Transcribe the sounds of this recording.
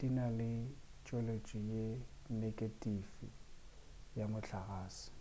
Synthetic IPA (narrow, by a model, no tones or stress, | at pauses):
tʼinalɪ | t͡ʃʼɔlet͡ʃʼijenekʼetʼifḭ | jamʊɬaɣaːsɪ̥